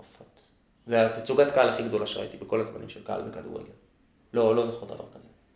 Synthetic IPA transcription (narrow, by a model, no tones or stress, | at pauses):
afot̪ | veat̪at͡suɡatkaalaχiɡd̪o̞laʃeʁa̰it̪ibeko̞lazmanḭmʃelkaʔa̰lbeka̰d̪ṵʁḛɡen | lo̞lo̞zaχud̪a̰va̰ʁkaze